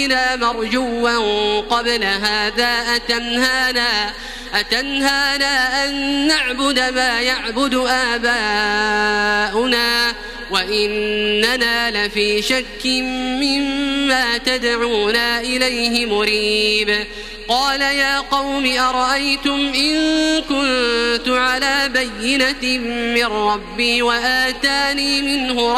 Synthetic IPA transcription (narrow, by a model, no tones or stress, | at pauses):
naːmɑɾˤd͡ʒuːmanqɑblaɦaːðaːʔat̪anhaːnaː | ʔat̪anhaːnaːʔanːaʕbʊd̪amaːjaʕbʊd̪ʊʔaːbaː | ʔʊnaː | waʔɪnːanaːlafiːʃakːɪmːɪmːaːt̪ad̪ʕuːnaːʔɪlajhɪmʊɾiːb | qɑːlajaːqɑwmɪʔɑɾˤɑʔajt̪ʊmʔɪŋkʊnt̪ʊʕalaːbajːɪnamɪrːɑbːiːwaʔaːt̪aːniːmɪnhʊɾ